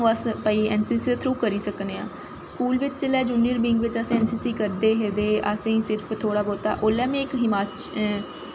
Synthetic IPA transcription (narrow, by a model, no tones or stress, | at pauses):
oːəspəiːɛːnsiːsit̪ʰɾuːkəɾiːsəkneːãː | skuːlʋɪt͡ʃt͡ʃəlɛːd͡ʒuːniəɾbiːŋɡʋɪt͡ʃəsɛ̃ːnsiːsiːkəɾd̪eːɦed̪eːə̰sẽĩːsɪɾpʰt̪ʰoːɽaːboːt̪a̰ːʔoːlɛːmẽɪkɦɪmaːt͡ʃ